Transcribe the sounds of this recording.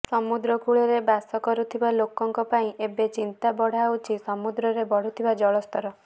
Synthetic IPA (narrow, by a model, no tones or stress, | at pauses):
sɔmud̪ɾɔkʰuɭeɾebasɔkɔɾut̪ʰibalokɔŋkɔpaĩʔebet͡ʃint̪abɔɽ̤awt͡ʃʰisɔmud̪ɾɔɾebɔɽ̤ut̪ʰibad͡ʒɔɭɔst̪ʰɔɾɔ